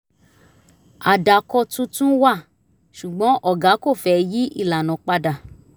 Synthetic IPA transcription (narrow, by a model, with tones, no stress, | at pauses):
a˨da˨kɔ˧tũ˦tũ˦wa˦˨ | ʃu˨ɡ͡bɔ̃˨˦ʔɔ˦˨ɡa˨˦ko˦˨fɛ˧ji˦ʔi˦˨la˨nɔ̃˨˦k͡pa˧da˨